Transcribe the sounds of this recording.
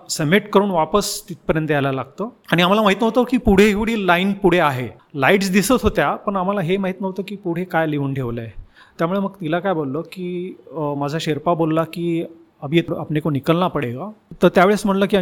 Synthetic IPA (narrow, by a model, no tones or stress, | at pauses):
səmeʈkəɾuːnʋapəst̪it̪̚pəɾjənt̪əjalalaɡ̚t̪əaɽ̃iam̤alamaɦit̪nəʋt̪əkiːpuɽ̤eːkɽ̤iːlainpuɽ̤eaɦe | laiʈsd̪isət̪ɦot̪japəɳam̤alaɦemaɦit̪nəʋt̪əkiːpuɽ̤ekajliuːnʈʰeʋləj | t̪jamuɭeməɡt̪ilakajbolːəkiːmad͡zʱaɕeɾpabolːakiː | əbʱiet̪apnekonikəlnapəɽeɡat̪əɾt̪jaʋeɭesm̤əɽləkiː